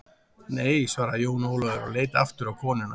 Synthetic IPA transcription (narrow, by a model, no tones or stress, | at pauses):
neːjsvaːɾajoːwnoːwlɔðʏɾa̰leːjt̪aaft̪ʏɾawkʰɔːnɪna̰